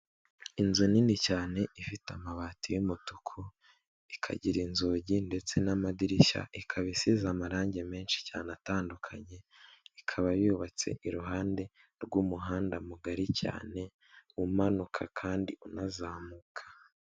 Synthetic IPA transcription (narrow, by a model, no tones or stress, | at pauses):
inzuninicaːne̞ifitamaβaːtijumutukʰo | ikʰa̰ɟiɾinzoːɟinde̞t͡se̞namadiɾiʃa̰ikʰaβisizamaɾaːɲɟe̞me̞ːnʃi̥caːnataːndukʰaɲe̞ikʰaβajuβat͡se̞̰ʔiɾuɦaːnde̞ | ɾɡuːmuɦaːndamuɡaɾica̰ːne̞ | umanukʰakʰaːndiunazaːmukʰḁ